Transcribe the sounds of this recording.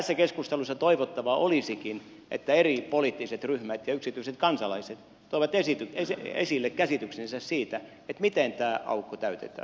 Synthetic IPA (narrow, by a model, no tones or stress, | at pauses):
æsːækeskust̪elusːɑt̪oiʋot̪ːɑʋɑʔolisikin | ʔḛt̪ːæeripoliːˑt̪ːiset̪ryhmæt̪jɑyksit̪yiset̪kɑnsɑlɑiset̪ | t̪oiʋɑt̪esit̪yesḛsilːekkæsit̪yksensæssiːt̪æ | et̪mit̪ent̪æːʔɑ̰ukːot̪æyt̪ḛt̪æ̰ː